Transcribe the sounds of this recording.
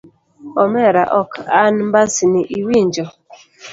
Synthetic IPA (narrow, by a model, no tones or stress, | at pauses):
ɔmɛɾa̰ʔɔkanmbasiniʔiwiɲd͡ʒɔ